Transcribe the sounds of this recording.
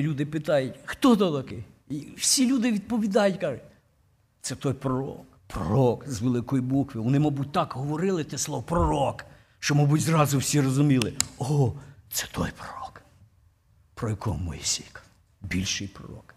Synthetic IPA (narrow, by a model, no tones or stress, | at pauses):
lʲud̪ɪpɪt̪ɑjʊtʲxt̪ɔt̪ɔt̪ɐkɪiwsʲilʲud̪ɪʋʲid̪̚pɔʋʲid̪ɑjʊtʲkɑʒʊtʲ | t̪sɛt̪ɔjpɾɔɾɔ̰k | pɾɔ̰ɔkzʋelˠɪkɔjibukʋɪʋɔnɪmɔbut̚ʲt̪ɑkɦɔʋɔɾɪlˠɪt̪ɛsˠɔʋɔpɾɔɾɔk | ʃt͡ʃɔmɔbutʲzɾɑzʊwsʲirɔzʊmʲilˠɪɔt̪sɛ̥t̪ʰɔ̰jpɾɔɾɔk | pɾɔjɐkɔ̰ɦmɔ̰jisʲijk | bʲilʲʃɪjpɾɔ̰ɾɔ̰k